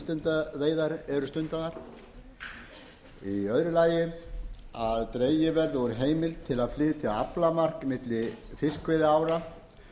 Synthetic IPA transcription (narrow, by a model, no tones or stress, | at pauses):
st̪ʏnt̪aveːjðaɾɛɾʏst̪ʏnt̪aðaɾ̥ | iœðɾʏlaːjɪ | aðt̪ɾeːjɪvɛɾðʏɔɾʏɦeːjmɪlt̪ʰːɪlaðflɪːt̪ʰɪla̰plamar̥kmɪt̪lɪfɪskʰvɪðɪaːwɾa